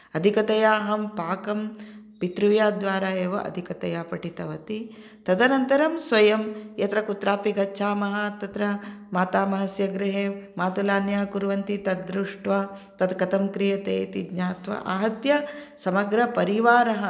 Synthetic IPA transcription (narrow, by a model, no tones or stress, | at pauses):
ɐd̪ʱikɐt̪ɐjaːɦɐmpaːkɐm | pit̪ɾuʋjaːd̪ʋaːɾaːeːʋɐ̰ʔɐ̰d̪ʱikɐt̪ɐjaːpɐʈit̪ɐʋɐt̪i | t̪ɐd̪ɐnɐnt̪ɐɾɐmsʋɐjɐmjɐt̪ɾɐkut̪ɾaːpiɡɐtːʃʰaːmɐɦɐt̪ɐt̪ɾɐmaːt̪aːmɐɦɐsjɐɡɾɪɦeːmaːt̪ulaːnjaːkuɾʋɐnt̪it̪ɐd̪ɾuʂʈʋɐt̪ɐt̪kɐt̪ɐmkɾijɐt̪eːt̪iɡɲaːt̪ʋɐ̰ʔa̰ːɦɐt̪jɐsɐmɐɡɾɐpɐɾiʋaːɾɐɦɐ